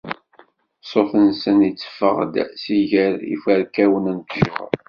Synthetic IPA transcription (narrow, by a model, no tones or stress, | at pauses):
sˤofənsənit͡sːə̥fə̰ʁd̪siʝəɾḭfæɾkæwənænkʒə̰ʁ̰ɾ